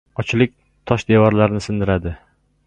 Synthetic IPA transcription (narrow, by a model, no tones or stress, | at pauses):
ɒt͡ʃʰlɪk̚ʲ | t̪ʰɒʃd̪evɒɾlaɾnɪsɪnd̪ɪɾad̪ɪ